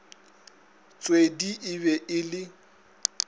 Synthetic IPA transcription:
t͡sʼwediʔɪβɛʔɪlɪ

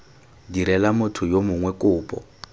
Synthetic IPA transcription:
diɾɛlamʊtʰʊjomʊŋwɛkʼʊːpʼɔ̰

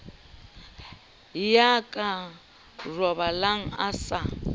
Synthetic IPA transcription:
jakʼa | rɔβalaŋ̩asa

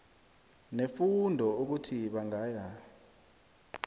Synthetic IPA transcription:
nefundʱɔuk̬utʰiɓaŋaːja

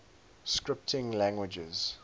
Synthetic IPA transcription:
skɹɪp̚tʰɪ̃ŋlæ̃ŋɡwɪd͡ʒəz̥

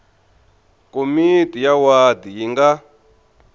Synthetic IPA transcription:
komitijawad̪ijiŋɡa

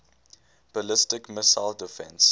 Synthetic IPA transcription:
b̥əlɪstɪkmɪsaɪldɪfɛ̰̃ns

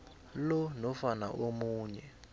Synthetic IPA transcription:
lɔnɔfana̰ʔomuːɲɛ

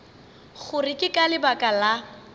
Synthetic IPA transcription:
ɣʊrɪkʼɪkʼalɪbakʼala

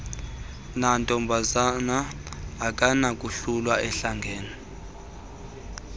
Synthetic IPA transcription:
nantʼɔmbʱazanaː | kʼanakʼuɬulwaʔɛɬaŋɡʱeːni

